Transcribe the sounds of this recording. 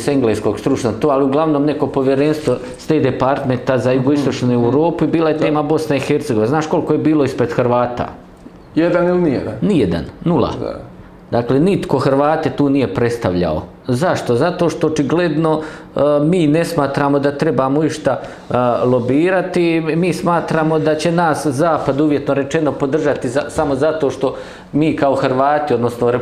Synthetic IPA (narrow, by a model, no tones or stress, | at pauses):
seŋɡleːskoːɡst̪ɾut͡ʃnoɡ̚t̪oːaliuɡlˠaʋnoːmne̞ko̞po̞ʋjeɾenst̪ʋo | st̪eːd̪epaɾt̪ment̪azajuɡoist̪o̞t͡ʃnuːewuɾoːpuibiːlajet̪e̞ːmabo̞snaixert̪seɡo̞ʋinaznaːʃko̞lko̞jebiːlˠo̞ispɾe̞d̪xrʋaːt̪a̰ | jed̪anilinijḛd̪a̰nnijed̪a̰nnulˠa̰ | d̪aːkle̞nit̪ko̞xɾʋaːt̪et̪uːnije̞pɾe̞t̪st̪aʋʎa̰o̰ | zaʃt̪o̞zat̪o̞ːʃt̪o̞ot͡ʃiɡle̞d̪no̞ | miːne̞smaːt̪ɾaːmo̞d̪at̪ɾe̞bamoiʃt̪a | lˠo̞biːɾat̪imiːsmaːt̪ɾaːmo̞d̪at͡ɕe̞naːszaːpad̪uʋje̞t̪no̞ɾe̞t͡ʃe̞no̞po̞d̪r̩ʒat̪izasamozat̪o̞ːʃt̪o̞ | miːkaoxɾʋaːt̪iod̪no̞snoɾe